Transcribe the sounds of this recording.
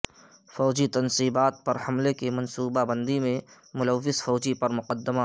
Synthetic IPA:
fɔːd͡ʒit̪ɐnsiːbaːt̪̚pɐɾhɐmlekemɐ̃nsuːbabə̃nd̪imẽ | mʊlɐʋːɪsfɔːd͡ʒipɐɾmʊqəd̪ːəɪma

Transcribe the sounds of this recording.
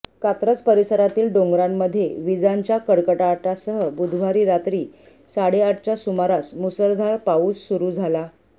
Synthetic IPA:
kat̪ɾət͡spəɾisəɾat̪iːlɖoŋɡɾamːəd̪ʱːjeʋid͡zaɲt͡ɕjakəɽkəʈaːʈasəɦəbud̪ʱʋaɾiːɾat̪ɾiː | saɽeaʈ̚t͡ɕjasumaɾasmusəɾd̪ʱaɾpauːsːuɾuːd͡zʱala

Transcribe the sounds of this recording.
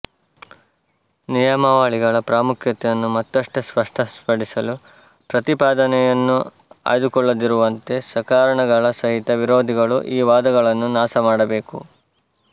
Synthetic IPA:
nijɐmɐʋaːɭiɡɐɭɐpɾaːmukʰjɐt̪ɛjɐnːumɐt̪ːɐʂʈɐspɐʂʈʰɐspɐɽisɐlu | pɾɐt̪ipaːd̪ɐnɛjɐnːu | a̰ːjd̪ukɔɭːɐd̪iɾuʋɐnt̪e̞sɐkaːɾɐɳɐɡɐɭɐsɐɦit̪ɐʋiɾoːd̪ʱiɡɐɭṵʔiːʋaːd̪ɐɡɐɭɐnːunaːsɐmaːɽɐbe̞ːkṵ

